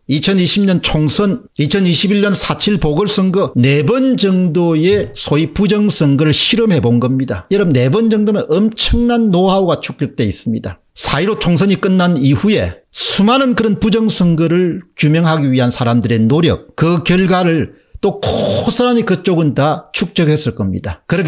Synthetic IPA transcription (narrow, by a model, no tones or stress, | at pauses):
it͡ɕʰʌniɕʰibɲʌnt͡ɕʰoŋsʰʌn | it͡ɕʰʌniɕʰibiɭɲʌnsʰat͡ɕʰiɭpoɡɯɭs͈ʌŋɡʌne̞bʌnd͡ʑʌŋdojesʰoipud͡ʑʌŋsʰɯŋɡɯɾɯɭɕʰiɾʌmɦe̞bonɡʌmɲida̰jʌɾʌmne̞bʌnd͡ʑʌŋdomeʌmt͡ɕʰʌŋnanːoɦauɡat͡ɕʰu̥k̚t͡ɕ͈jʌk̚t͈e̞is͈ɯmɲida̰ | sʰaiɾot͡ɕʰoŋsʰʌɲik͈ɯnːanihuje̞̰sʰumanɯnkɯɾʌnpud͡ʑʌŋsʰɯŋɡɯɾɯɭt͡ɕumjʌŋɦaɡiɥiɦansʰaɾamdɯɾe̞noɾjʌk̚kɯkjʌɭɡwaɾɯɭ | t͈okʰosʰaɾamikɯt͡ɕ͈oɡɯndat͡ɕʰuk̚t͡ɕ͈ʌɡhe̞s͈ɯɭk͈ʌmɲḭdakɯɾʌk